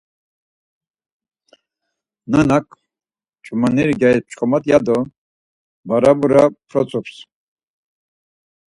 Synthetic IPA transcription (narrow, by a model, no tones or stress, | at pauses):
nanakʰʼ | t͡ʃʼumaniɾɡaisp̚ʰt͡ʃʰχɔmat̪jad̪ɔ | baɾabuɾapʰɾɔt͡sʼups